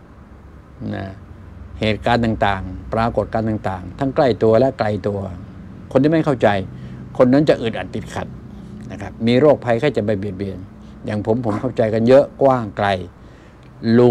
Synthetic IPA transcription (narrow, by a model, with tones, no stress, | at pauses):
na̰˧˥˩heː˨˩t̪̚kaː˧nt̪aː˨˩ŋt̪aː˨˩ŋpɾaː˧ko˨˩t̪̚kaː˧nt̪aː˨˩ŋt̪aː˨˩ŋt̪ʰa˦˥ŋkla˥˩jt̪u˧ɐlɛ˦˥ʔkla˧jt̪u˧ɐ | kʰo˧nːi˥˩ma˥˩kʰa˥˩wt͡ɕa˧jkʰo˧nːa˦˥nt͡ɕa˨ʔɯː˨˩t̪ʔa˨˩t̪i˨˩t̪̚kʰa˨˩t̪̚ | na˦˥˩kʰa˦˥p̚miː˧ɾoː˥˩k̚pʰa˧jkʰa˥˩jt͡ɕa˨˩˦ba˧˩bi˨˩ət̪̚bi˨˩ən | jaː˨˩ŋpʰo˩˦mpʰo˨˦mkʰa˥˩wt͡ɕa˧jka˧njɤ˦˥ʔkwaː˥˩ŋkla˧j | lu˧